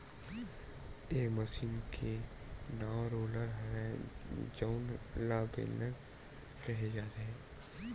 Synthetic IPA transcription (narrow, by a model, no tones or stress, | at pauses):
eːməsiːnkʰe | naɾoːləɾɦɐɾɛ̃d͡ʒoːnlaːbḛnːəɾ | kɛɦed͡ʒaːɾɦɛ̃ː